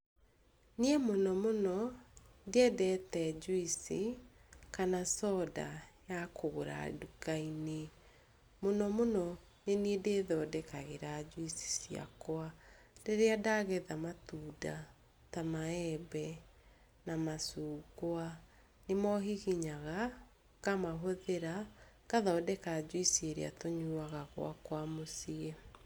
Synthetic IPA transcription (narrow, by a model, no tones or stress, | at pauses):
niɛmonɔmonɔdeɛdɛtɛd͡ʒwisi | kanasɔdajakʰoɾa̰dukaine | monɔmonɔ | neniɛdeðɔːdɛkaɣeɾad͡ʑwisi̥sia̰kwa | d̥eɾeadaɣɛðamatuːda | tamaɛbɛ | namasuːɡoa | nemɔɦiɣiɲaɣa | kamaɦoðeɾa | kaðaɔdɛkad͡ʒwisieɾḛa̰toɲuaɣaɣw̰a̰kwamosiɛ